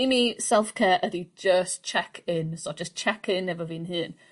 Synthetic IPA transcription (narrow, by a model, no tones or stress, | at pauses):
imisɛlˠfkʰɛːɹʔədid͡ʒəst͡ʃʰɛkʰɪnsɔd͡ʒəst͡ʃʰɛkʰɪnːɛvəviːnɦɨːn